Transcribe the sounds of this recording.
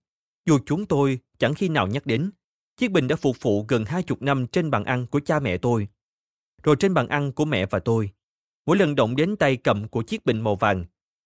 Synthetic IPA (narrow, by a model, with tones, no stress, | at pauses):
zu˨˩t͡ɕʊ˨˦ŋ͡mt̪o˧jt͡ɕa˧˩ŋxi˧naː˨˩wɲa˦˥k̚ɗe˨˦n | t͡ɕi˦˥k̚ï˨ŋ̟ɗa̰ː˧˥fʊ˨˩k͡p̚vṵ˧˨ɣə˨˩nhaː˧jt͡ɕʊ˨˩k͡p̚na˧mt͡ɕe˧nɓaː˨˩nʔa˧nku˧˩ət͡ɕaː˧mɛ̰˧˨t̪o˧j | zo˨˩jt͡ɕe˧nɓaː˨˩nʔa˧nku˧˩əmɛ̰˧˨vaː˨˩t̪o˧j | mo̰˧˥˦jlə˨˩nɗə̰˧˨wŋ͡mɗe˨˦nt̪a˧jkə̰˧˨mku˧˩ət͡ɕi˦˥ək̚ɓḭ˧˨ŋ̟mo˨˩vaː˨˩nŋ